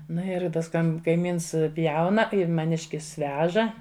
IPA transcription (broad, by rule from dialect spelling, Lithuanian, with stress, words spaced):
ˈnʊ ɪr ˈtɐs ˈkɐm kɐɪˈmʲiːns ˈpʲjɛʊnɐ ɪr mɐˈnʲɪʃʲkʲɪs ˈʋʲæːʒɐ